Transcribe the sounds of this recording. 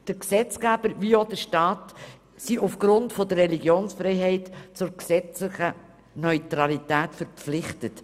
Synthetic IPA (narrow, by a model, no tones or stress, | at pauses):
d̥əɾksɛt͡sɡæb̥əɾviod̥əʃtɑːt | siʔufɡ̥ɾʊntfɔdəɾːɛliɡjoːnsfɾɛɪɦɛɪtt͡sʊɾksɛt͡slɪχə | nœʏtɾɑlitæːtfəɾpflɪχtət